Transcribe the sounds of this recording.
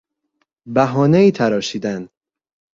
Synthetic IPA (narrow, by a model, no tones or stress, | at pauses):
bæɦɒːneiːt̪ʰæɾɒːʃiːd̪æn